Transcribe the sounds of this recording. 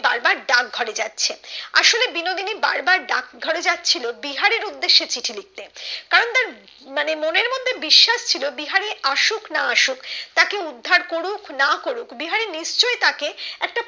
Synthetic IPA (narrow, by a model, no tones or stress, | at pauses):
baɾbaɾɖak̚ɡʱɔɽed͡ʑatːɕʰea̰ʃolebinod̪iniba̰ɾbaɾɖa̰kɡʱɔɽed͡ʑatːt͡ɕʰilobiɦaɾeɾud̪ːeʃːet͡ɕiʈʰilik̚t̪ekaɾont̪aɾ | manemoneɾmod̪ʱːebiʃːaʃt͡ɕʰilobiɦaɾeaʃuknaaʃukt̪akeud̪ʱːaɾkoɽuknakoɾukbiɦaɾeniʃt͡ɕoet̪akeɛk̚ʈa